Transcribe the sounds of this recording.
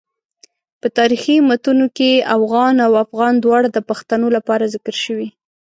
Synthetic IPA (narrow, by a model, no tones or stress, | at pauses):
pət̪ɑɾiximat̪unokeʔafɣɑnawafɣɑnd̪wɑɽad̪əpaxt̪anolapɑɾazɪkəɾʃəwi